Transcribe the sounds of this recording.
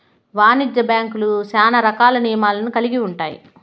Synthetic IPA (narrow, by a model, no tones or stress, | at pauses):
ʋaːnid͡ʒːɐbjaːŋkulusaːnɐɾɐkaːlɐnijɐmaːlɐnukɐliɡiuɳʈa̰ːjḭ